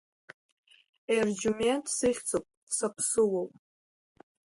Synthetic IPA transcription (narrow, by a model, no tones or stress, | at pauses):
erd͡ʒumentʰʼsɨχʲt͡sʰʼopʼsapʰsɨwowpʼ